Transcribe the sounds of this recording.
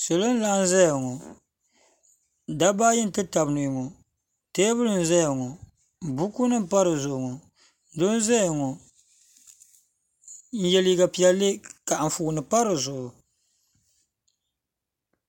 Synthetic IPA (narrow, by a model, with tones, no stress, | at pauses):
sɛ˨lo˦n̩˦la˦n˦za˦ja˨ŋɔ˨ | da˦ba˦ji˦n˦˨tɨ˦ta˨bnu˨jŋɔ˨ | te˦bɨ˦lɨ˨n̩˨zɛ˦ja˨ŋɔ˨ | bu˦ku˦nɨ˦pa˦ɾɨ˨zʊ˨ŋɔ˨ | dʊ˦n˦za˦ja˨ŋɔ˨ | n̩˦jɛ˦li˦ɡa˨pi˦ɛ˦lːe˦ka˨n̩˨fu˨nɨ˨pa˦ɾɨ˨zʊ˨ʔʊ˨